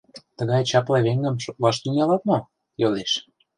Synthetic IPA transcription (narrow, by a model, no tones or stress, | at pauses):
t̪əɣɑjt͡ɕɑplɑβeŋɡə̆mʃok̪lɑʃt̪ynʲjɑlɑt̪no | joleʃ